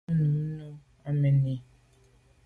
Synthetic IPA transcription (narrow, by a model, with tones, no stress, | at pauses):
nu˨˦nu˦ | a˦me˨ni˦